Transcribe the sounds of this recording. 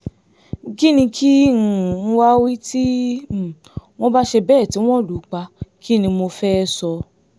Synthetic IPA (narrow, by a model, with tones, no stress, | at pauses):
ɡi˦nĩ˧kʰi˦ñ̩˨n̩˦wa˦wi˦ti˦˨ | w̃ɔ̃˦ba˦ʃe˧bɛ˦˨ti˨˦w̃ɔ̃˦˨lu˨k͡pa˧ki˦˨nĩ˧mo˧fɛ˦˧sɔ˧